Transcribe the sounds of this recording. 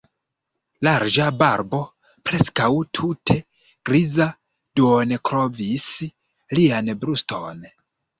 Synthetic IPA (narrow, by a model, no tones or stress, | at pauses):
laɾd͡ʒabaɾbo̞ | pɾe̞skawtʰutʰe̞ | ɡ̥ɾiza | d̥uonekɾovis | lianbɾusto̰n